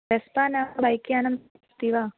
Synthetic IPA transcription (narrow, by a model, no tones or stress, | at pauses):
espaːnaːbɐjkjaːnɐm | t̪iʋa